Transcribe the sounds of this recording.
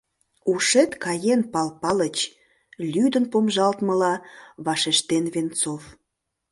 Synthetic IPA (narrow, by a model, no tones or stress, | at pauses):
uʃet̪kɑjenpɑlpɑlət͡ɕ | lʲyd̪ənpomʒɑlt̪məlɑβɑʃeʃt̪enβent͡sof